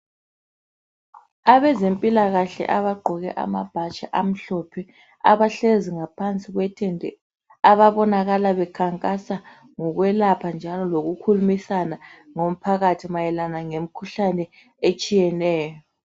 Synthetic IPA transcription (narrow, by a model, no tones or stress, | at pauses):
aβɛzempʼilaɣaɬɛ̰ʔaβaɡ͡ǃʱɔɣɛ̰ʔa̰ma̰b̥ʱat͡ʃʼaʔam̩ɬɔpʰɛ | a̰βaɬeziŋapʰant͡sʼiɣwɛtʰɛndʱɛ̰ | aβaβɔnaɣalaβɛkʰaŋkʼasa | ŋɔɣwɛlapʰand͡ʒʱalɔloɣukʰulumisanaŋom̩pʰaɣatʰimajɛlanaŋem̩kʰuɬanɛ | et͡ʃʼijɛnɛːjɔ